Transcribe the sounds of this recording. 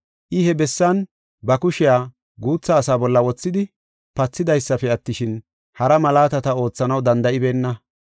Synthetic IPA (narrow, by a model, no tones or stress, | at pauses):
ʔɪhɛbɛsːɐn | bɐkʊʃɪjaː | ɡuːt͡sːɐːsaːbɔlːɐwɔt͡sːɪd̪ɪ | pɐt͡sːɪd̪ɐjsːɐfɛɐt̪ːɪʃɪn | hɐɾɐmɐlaːt̪ɐt̪ɐo̞ːt͡sːɐnɐwd̪ɐnd̪ɐɪbe̞ːnːɐ